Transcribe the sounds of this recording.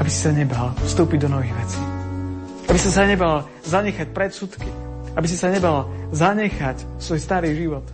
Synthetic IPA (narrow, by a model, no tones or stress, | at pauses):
abisi̥saɲɛbalfst̪uːpiɟd̪ɔnɔʋiːɣʋɛt͡si̥ | abisis̬aɲɛbal | zaɲɛxac̚pɾɛt̪sut̪ki | abis̬isaɲɛbalzaɲɛxacsʋɔjst̪aɾiːʒiʋɔt̪